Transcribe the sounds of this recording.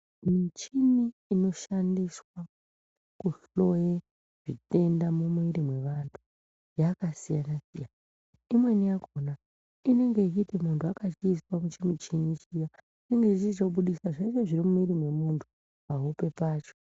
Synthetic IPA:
mit͡ʃiniːno̞ʃandiswa | kuɬlo̞je | ʐ̥ite̞ndamumiɾimwe̞ʋantʰu̥ | jakasijanasijana | imwe̞nijaɡʱona | ine̞ŋɡeit͡ʃitimuntʰuakat͡ʃiːswamut͡ʃimit͡ʃinit͡ʃija | ine̞ŋɡe̞it͡ʃit͡ʃokuɓuɗisaʐeit͡ʃe̞ʐirimumiɾimwe̞muntʰu̥ | paɦupe̞paːt͡ʃo̥

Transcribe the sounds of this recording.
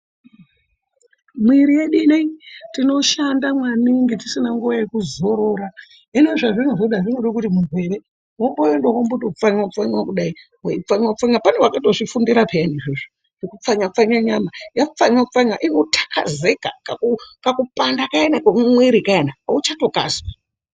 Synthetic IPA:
mwiɾije̞ɗiniitino̞ʃandamwaniŋɡitisinaŋɡuʋaje̞kuzo̞ɾo̞ɾa | ine̞ʐaʐinaʐoɗaʐinoɗakutimuɡwe̞ɾe̞ | ɦombojendoɦombotoufaɲiwakufaɲiwakuɗai | weifaɲwakufaapanewakatoʐifundiɾapejaneʐiʐo | ʐekup͡faɲap͡faɲaɲamajafaɲwakufaɲia̰ʔinotʰḁka̰zeka̰kakukakupandakaenakamwiɾikaenaut͡ʃato̞ka̰zwa

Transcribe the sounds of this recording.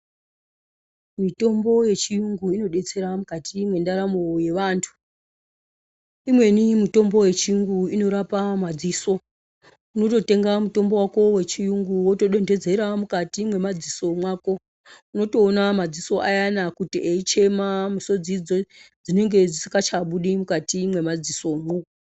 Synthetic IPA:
mito̞mbo̞je̞t͡ʃijuŋɡuino̞ɗe̞t͡se̞ɾamukatimwe̞ndaɾamo̞je̞ʋaːntʰu̥ | imwe̞nimito̞mbo̞je̞t͡ʃijuŋɡuino̞ɾapamad͡ziso̞ | uno̞to̞te̞ŋɡamuto̞mbo̞wako̞we̞t͡ʃijuŋɡuwo̞to̞ɗe̞nde̞d͡ze̞ɾamukatimwe̞mad͡ziso̞mwaːko̞ | uno̞to̞ːnamad͡ziso̞ʔajanakutiʔeit͡ʃe̞mamuso̞d͡zid͡zod͡zine̞ŋɡe̞d͡zisi̥kat͡ʃaɓuɗimukatimwe̞mad͡ziso̞moːko

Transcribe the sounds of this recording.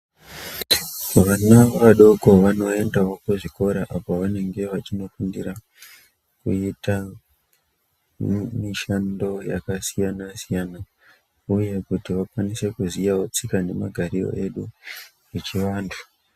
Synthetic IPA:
ʋanaʋaɗo̞ko̞ʋano̞e̞ndawo̞kuʐiko̞ɾaʔapoʋane̞ŋɡe̞ʋat͡ʃino̞kundiɾa | kṵita | miʃando̞ja̰kasijanasijana | uje̞kutiʋakwanise̞kuzijawot͡sikane̞maɡʱaɾiro̰ʔe̞ɗu | et͡ʃiʋaːntʰu̥

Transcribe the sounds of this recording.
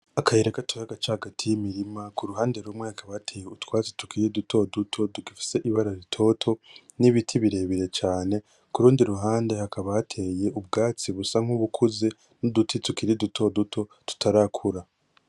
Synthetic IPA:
akaeɾekatujaɡat͡ʃahaɡatʰijimiɾimakuɾuɦaːnde̞ɾumŋwehakʰaβatʰe̞ːjeutwaːt͡si̥tu̥kiɾidutʰo̞dutʰo̞dukifi̥se̞ʔiβaɾaɾitʰo̞ːtʰo̞ | niβitʰiβiɾe̞ːβiɾe̞t͡ʃaːne̞ | kuɾuːndiɾuɦaːnde̞hakʰaβatʰe̞ːje̞ʔub̚ɡaːt͡siβusaŋuβukʰuze | nudutʰitukiɾidutʰo̞dutʰo̞tu̥tʰaɾakʰuɾa

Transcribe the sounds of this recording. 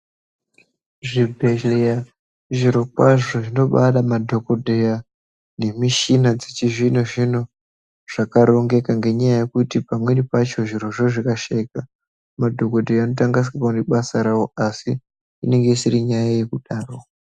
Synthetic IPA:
ʐibʱe̞ɮea | ʐiɾo̞kwaʐoʐino̞ɓaɗamadʱo̞ko̞dʱeja | ne̞miʃinad͡zet͡ʃiʐinoʐino̞ | ʐ̥akaɾo̞ŋɡe̞kaŋɡe̞ɲajaje̞kutipamwe̞nipat͡ʃo̞ʐiɾo̞ʐoʐikaʃaika | madʱokodʱejaːno̞taŋɡas̬kakaniɓasaɾawoasiː | ne̞ŋɡe̞isiɾiɲajaje̞kuɗaːro

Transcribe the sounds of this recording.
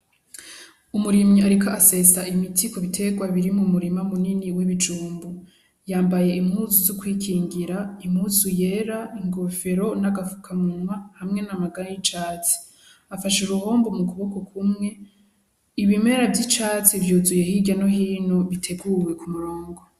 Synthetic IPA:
umuɾimɲiaɾikaase̞saimitʰiko̞βitʰe̞ɡwaβiɾimumuɾimamuniniwiβid͡ʒuːmbu | jaːmbaje̞imhuːzuzukwiːkʰiːŋɡiɾaim̥huzuje̞ɾaiŋɡofe̞ɾo̞naɡafu̥kʰamunwahamŋe̞namaɡaɾajit͡ʃaːt͡si̥ | afaʃuɾuho̞ːmbomukuβokokʰumŋe̞ | iβime̞ɾavjit͡ʃaːt͡sivjuːzuje̞hiɟano̞ɦiːnoβitʰe̞ɡuwe̞kumuɾo̞ːŋɡo

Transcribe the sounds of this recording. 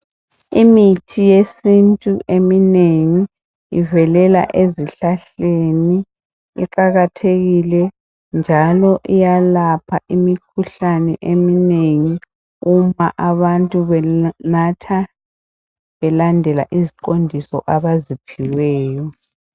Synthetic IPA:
imitʰijesintʼuʔemineŋi | ivɛlɛla̰ʔeziɬaɬeni | ḭǃaɣatʰeɣilɛ | nd͡ʒʱalɔʔijalapʰaʔimikʰuɬanɛʔemineŋi | umaʔaβantʼuβɛnatʰa | βɛlandʱɛla̰ʔizikʼondʱisɔ̰ʔaβazipʰiwɛːjɔ

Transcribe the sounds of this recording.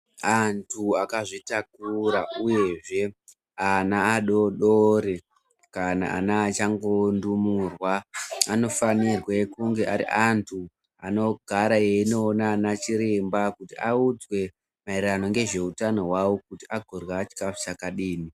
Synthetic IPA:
antʰuakaʐitakuɾauje̞ʐe̞ | anaːɗo̞ɗoɾe | kana̰ʔa̰naːt͡ʃaŋɡo̞ndumurwaano̞fanirwe̞kuŋɡe̞ʔaɾḭʔantʰu | ano̞ɡʱaɾajeino̞ːnanat͡ʃiɾembakutiaud͡zwe̞ | mairrano̞ŋɡe̞ʐe̞utano̞wawokutiʔaɡʱorwaːt͡ʃi̥kafi̥sakaɗiːni

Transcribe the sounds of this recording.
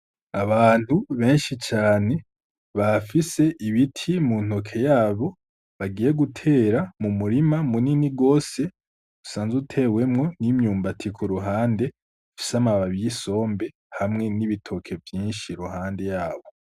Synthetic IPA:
aβaːn̥huβe̞ːnʃit͡ʃaːne̞ | βafise̞ʔiβitʰimun̥o̞kʰe̞jaːβo̞ | βaɡiːje̞ɡutʰe̞ɾamumuɾimamuniniɡo̞ːse̞ | usaːnzeutʰe̞we̞mŋo̞nimɲuːmbatʰikʰuɾuɦaːnde̞ | fi̥samaβaβijiso̞ːmbe̞ | hamŋe̞niβitʰo̞kʰe̞vjiːnʃiɾuhaːnde̞jaːβo̞

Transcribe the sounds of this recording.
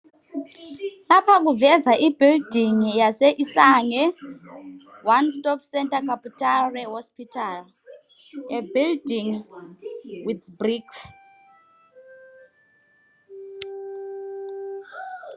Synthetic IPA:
napʰak̬uvɛzaʔibʱildʱiŋijaseʔisaŋɛ | wanstʼɔpsɛntakaputʼarɛɦɔspitʰal | ebildiŋ | wiθbriks

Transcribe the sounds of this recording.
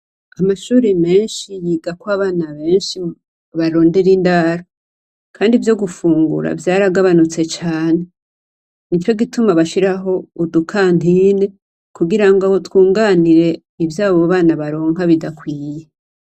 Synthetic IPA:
amaʃuːɾeme̞ːnʃijiːɡakwaβaːnaβe̞ːnʃi | βaɾo̞ːnde̞ɾindaːɾo | kʰaːndivjo̞ɡufuːŋɡṵɾa̰vjaːɾaɡaβanut͡se̞t͡ʃaːne̞ | nit͡ʃo̞ɡitumaβaʃiɾaɦo̞udukʰaːn̥ine̞ | kuɡiɾaŋɡotwuːŋɡaːniɾe̞ | ivjaːβo̞βaːnaβaɾo̞ːŋɦaβidakwiːje

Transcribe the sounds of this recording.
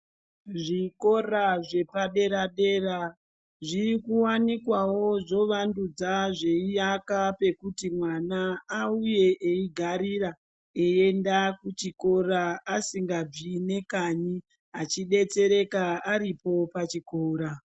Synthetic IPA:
ʐiko̞raʐe̞paɗe̞ɾaɗe̞ːra | ʐikuwanikwawo̞ʐo̞ʋandud͡zaʐe̞ijakape̞kutimwanaːuje̞ʔeiɡʱaɾiɾa | ee̞ndakut͡ʃiko̞raasiŋɡab͡ʐine̞kaɲi | at͡ʃiɗe̞t͡se̞ɾe̞kaaɾipo̞pat͡ʃikoːɾa

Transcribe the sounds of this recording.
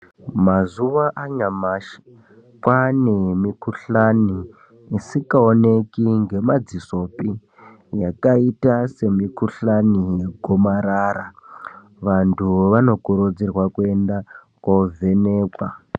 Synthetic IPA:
mazuʋaʔaɲamaːʃi̥ | kwanemikuɬaniː | sikaonekiŋɡe̞mad͡ziso̞pi | jakaitase̞mikuɬanijeɡʱomaɾara | ʋantʰuʋano̞ɡʱoɾod͡zirwakuenda | kwavʱeneːkwa̰

